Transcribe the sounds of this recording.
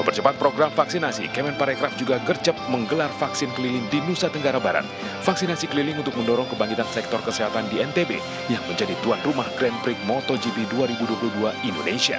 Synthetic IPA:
pərt͡ʃəpat̪̚pɾoɡɾamfaksinasḭkɛmɛnpaɾɛkɾafd͡ʒuɡaɡərt͡ʃəp̚məŋɡəlarfaksɪnkəlilɪŋdinusat̪əŋɡaɾabaɾa̰t̪̚ | fak̚sinasikəlilɪŋunt̪ʊk̚məndɔɾɔŋkəbaŋkit̪ansɛk̚t̪ɔrkəseɦat̪andiɛnt̪ebḛ | jaŋməɲd͡ʒadit̪uanrumahɡ̥ɾɛnpɾɪk̚mɔt̪ɔd͡ʒipiduaɾibuduapuluhduaindonesia̰

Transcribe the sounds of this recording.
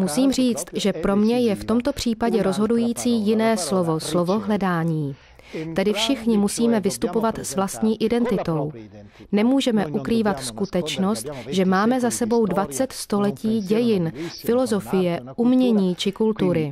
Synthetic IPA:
musiːmr̝iːt͡st̪ʒɛpɾo̞mɲɛjɛft̪o̞mt̪o̞pr̝̥iːpaɟɛɾo̞zɦo̞dujiːt͡siːjɪnɛːslo̞vo̞slo̞vo̞ɦlɛdaːɲiː | t̪ɛdɪfʃɪxɲɪmusiːmɛvɪst̪upo̞vat̪svlast̪ɲiːʔɪdɛnt̪ɪt̪o̞wnɛmuːʒɛmɛʔukɾiːvat̪skut̪ɛt͡ʃno̞st̪ʒɛmaːmɛzasɛbo̞wdvat͡sɛt̪st̪o̞lɛciːɟɛjɪnfɪlo̞zo̞fɪjɛʔumɲɛɲiːt͡ʃɪkult̪uɾɪ

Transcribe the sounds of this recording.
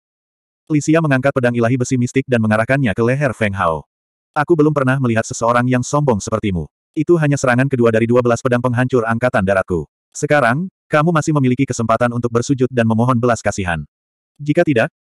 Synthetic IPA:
lisiaməŋaŋkat̪̚pədaŋilaɦibəsimist̪ɪk̚danməŋaɾahkanɲakəlɛɦɛrfɛŋɦa̰w | ʔakubəlʊmpərnahməliɦat̪̚səsəoɾaŋjaŋsɔmbɔŋsəpərt̪imṵ | it̪uɦaɲasəɾaŋankəduadaɾiduabəlaspədaŋpəŋɦaɲt͡ʃʊraŋkat̪andaɾaku | səkaɾaŋkamumasɪhməmilikikəsəmpat̪anunt̪ʊk̚bərsud͡ʒʊt̪̚danməmɔɦɔnbəlaskasiɦa̰n | d͡ʒikat̪idak̚

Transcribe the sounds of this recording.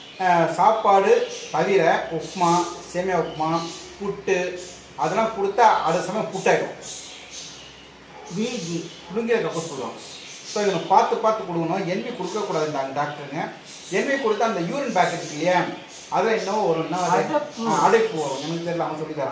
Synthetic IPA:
saːpːaːɽɯt̪ɐʋɪɾɛɔkmaːseːmɐjaɔkmãːpʊʈːɯ | ɐðɐlːãːkɔɽɯt̪ːɐʔɐɽɯsɐmɐjɐ̃pʊʈːaːkʊ̰̃ | niːɡi | ʊlʊŋɡɪlɐkɐpːɐ̃suːlã̰ː | soːɪʋɐnɐkːpaːɾt̪ɯpaːɾt̪ːɯkːɔɽɯkːɐnʊ̃ːɛnbikɔɽɯkːɐkuːɽaːðɯnd̪aːŋɡɐɖaːk̚ʈɐɾŋɡɐ | ɛnmikɔɽɯt̪ːɐːnd̪ɐjuːɾɐnbaːkːɐd͡ʒkːɪlɪjɐn | ɐðɐ̃ːɛnːɐʋoɔɾɯ̃nːɐeɐɽɐɪpːoːʋʊ̃ɛnɐkːɯt̪eɾɪlaːmɐsɔlːɪt̪aːɾã̰

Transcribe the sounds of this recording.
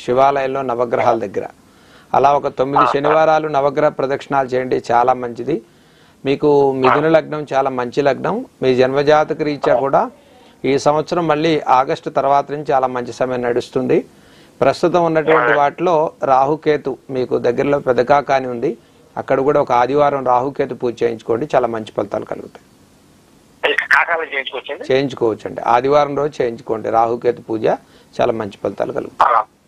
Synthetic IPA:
ʂiʋaːlɐjɐmlo̞ːnɐʋɐɡɾɐɦaːld̪ɐɡːɐɾɐ̰ | ɐ̰laːɔkɐt̪omːid̪iʃɐniʋaːɾaːlunɐʋɐɡɾɐɦɐpɾɐd̪ɐkʂɐɳaːlut͡ʃɛːjɐɳɖit͡ʃaːlaːmɐɲt͡ʃid̪i | miːkumid̪ʱunɐlɐɡ̚ɳɐmt͡ʃaːlaːmɐɲt͡ʃilɐɡɳɐmːiːɾud͡ʒɐnmɐd͡ʒaːt̪ɐkɐɾiːt͡ʃːaːkuːɽaː | iːsɐmʋɐt̪sɐɾɐmːɐɭːiːʔaːɡɐʂʈɐt̪ɐɾɐʋaːt̪ɐnuɲt͡ʃt͡ʃaːlaːmɐɲt͡ʃisɐmɐjɐnnɐɽust̪und̪i | pɾɐst̪ut̪ɐmunːɐʈuʋɐɳʈiʋaːʈlo̞ːɾaːɦuke̞ːt̪umiːkud̪ɐɡːɐɾɐlo̞ːpɛd̪ɐkaːkaːniund̪i | ɐ̰kːɐɽɐkuːɽaːɔkɐaːd̪ʱiʋaːɾɐmɾaːɦuke̞ːt̪̬upuːd͡ʒt͡ʃeːjiɲt͡ʃu̥koːɳɖit͡ʃaːlaːmɐɲt͡ʃi̥pɐlɐt̪a̰ːlukɐ̰lṵɡut̪aːj | kaːkaːlɐt͡ʃeːjiɲt͡ʃukɔɐt͡ʃːudit͡ʃeːjiɲt͡ʃu̥kɔːʋɐt͡ʃːɐɳɖḭa̰ːd̪ʱiʋaːɾɐmɾo̞ːut͡ʃe̞ːjiɲt͡ʃukoːɳɖḭɾaːɦuke̞ːt̪upuːd͡ʒa | t͡ʃa̰ːlaːmɐɲt͡ʃi̥pɐlt̪a̰ːlukɐ̰luɡut̪a

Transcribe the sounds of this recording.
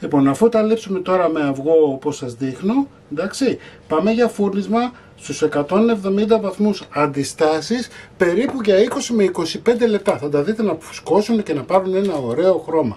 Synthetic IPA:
lipo̞nɐfut̪ɐlipsume̞t̪o̞ɾɐme̞ɐvɣo̞oposɐzðixno̞ | nd̪ɐksipɐme̞ʝɐfuɾnizmɐ | st̪use̞kɐt̪o̞nevðo̞mind̪ɐvɐθmusɐnd̪ist̪ɐsispe̞ɾipuʝɐiko̞simeiko̞sipe̞nd̪e̞le̞p̚t̪ɐθɐd̪ɐðit̪e̞nɐfu̥sko̞sunece̞nɐpɐɾune̞nɐo̞ɾe̞o̞xɾo̞mɐ

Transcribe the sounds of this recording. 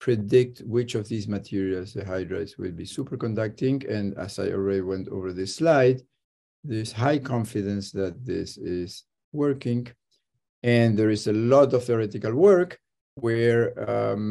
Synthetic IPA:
pʰɹɛdɪk̚t̪wɪt͡ʃɔvðizmɨtʰiɹialsðəɦajdɹa̰tswɪ̰lbisupə˞kɔ̃ndak̚tɪ̃ŋɛ̃ndæ̰za̰jɔ̰lˠɹɛdiwɛ̃ntʰo̰və˞ðɨslaɪd̪ | ðəz̥hajkʰɑ̃ɱfidɨ̃nsðæt̪̚ðɪ̰sɪz̥ | wɜ˞kɪ̃ŋ | ɨ̃nðɛɹɪzəlɔtɔv̥θɹɛt̪ɪkalwɜ˞k | wɛɹ

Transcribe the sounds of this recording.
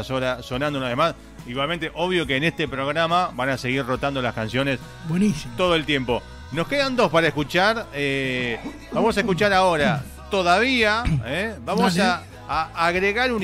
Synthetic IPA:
asoɾaso̞nãnd̪onaðemas | iɣwalment̪eʔo̞βjo̞keːnest̪epɾo̞ɣɾamaβanase̞ɣirro̞t̪and̪olaskansjo̞ne̞s | bwenist̪o̞ðoe̞lt̪je̞mpo̞ | no̞skeðand̪o̞spaɾaehkut͡ʃaɾe | bamo̞saekut͡ʃaɾaoɾa | t̪oðaβiaebamosaː | ɣɾeɣaɾun

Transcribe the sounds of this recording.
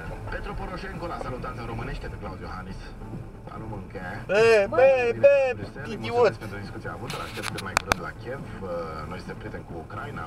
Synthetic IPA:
pet̪ɾopoɾoʃeŋkolasalut̪ansəɾo̞mɨneʃt̪ʲed̪eklawd̪johanis | a̰luməŋkebeebeit̪iwəspent̪ɾod̪iskut̪siea̰vut̪əla̰ʃt̪ep̚t̪kɨnmajkuɾɨnd̪la̰kʲievnojssepɾet̪emkuːkɾajna̰

